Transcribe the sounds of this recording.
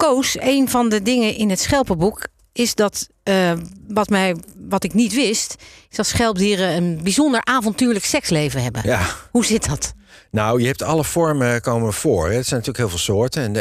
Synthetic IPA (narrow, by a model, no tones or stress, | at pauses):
kowsejnvɑndədɪŋəʔɪnɦətsχɛlˠpəbuk | ɪsdɑt | ʋɑtmɛjʋɑtɪknitʋɪstɪzdɑtsχɛlˠp̚diːɾəənbizondəɹʔaːvɔntyːɹləksɛkslejvəɦɛbə̰huzɪt̚dɑt | nawjəɦɛp̚tʰɑləfɔɹməkowməv̥ʊːɹɛdətsɛjnɑtyːləkɦɪːlˠvɪːlˠsʊːɹtəɛn